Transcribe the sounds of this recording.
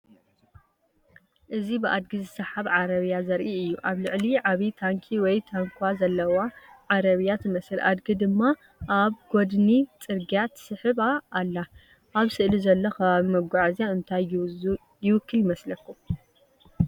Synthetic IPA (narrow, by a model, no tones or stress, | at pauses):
ʔɨzibɨʔad̪̚ɡizɨsɐħaβʕaɾɐβjazɐɾʔiɨjːuʔaβlɨʕliʕaβit̪ʰaŋkʰiwɔjt̪ʰaŋkʰazɐlːɐwaʕaɾɐβjat̪ɨmɐsɨlʔa̰d̪ɡid̪ɨmːa | ʔaβɡ̥od̪nit͡sʼɨɾɡijat̪sɨħɨβaːlːa | ʔaβsɨʔlizɐlːokʰɐβaβimɐɡʷaʕazjaɨnt̪ʰaj | jɪwɨkʰːɨlmɐslɐkʰːu